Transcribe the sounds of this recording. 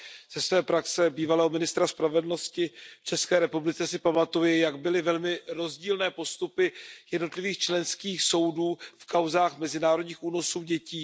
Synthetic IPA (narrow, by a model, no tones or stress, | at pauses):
z̥ɛsvɛːpɾaksɛbiːvalɛːɦomɪnɪst̪ɾaspɾavɛdl̩no̞scɪft͡ʃɛskɛːɾɛpublɪt͡sɛsɪpamat̪ujɪjaɡbɪlɪvɛlmɪɾo̞zɟiːlnɛːpo̞st̪upɪjɛdno̞t̪lɪviːxt͡ʃlɛnskiːxso̞wduːfkawzaːxmɛzɪnaːɾo̞dɲiːxuːno̞suːɟɛciː